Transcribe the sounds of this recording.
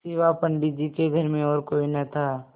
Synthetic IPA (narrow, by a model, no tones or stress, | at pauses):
seːʋapəɳɖid͡ʒikeɡʱəɾmẽɔːɾkoːinɐt̪ʰaː